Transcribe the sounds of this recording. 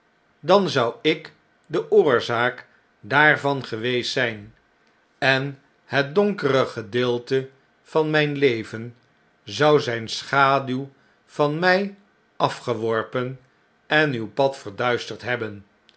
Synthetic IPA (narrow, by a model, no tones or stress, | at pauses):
dɑnzɑwɪk | dəʔʊːɹzaːk | daːɹvɑnχəʋejstːɛjn | ɛn | ɦət̚dɔŋkərəχədɪːlˠtə | v̥ɑnmɛjnlejvən | zɑwzɛjnsχaːdyw | v̥ɑnmɛj | ɑfχəʋɔɹpən | ɛnywpɑtfəɹdœɥstəɹtɦɛbən